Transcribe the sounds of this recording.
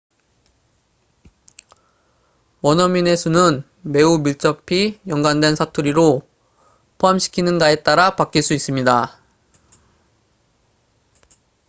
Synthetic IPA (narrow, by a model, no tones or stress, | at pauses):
wʌnʌmine̞sʰunɯn | me̞umiɭt͡ɕ͈ʌpʰijʌŋɡandwe̞nsʰatʰuɾiɾo | pʰoɦamɕʰi̥kʰinɯnɡae̞t͈aɾapak͈iɭs͈uis͈ɯmɲida